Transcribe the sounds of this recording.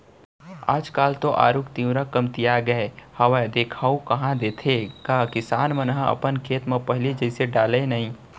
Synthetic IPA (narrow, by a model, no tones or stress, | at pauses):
a̰ːd͡ʒkaːlt̪oʔa̰ːɾukt̪ĩɾakɐmt̪ijaɡɐehɐʋad̪eːkʰaːukɐɦãd̪eːt̪ʰekaːkɪsaːnmənɦãɐ̰pənkʰeːt̪mãpɐɦlid͡ʒɛːseɖaːlenɐɦĩː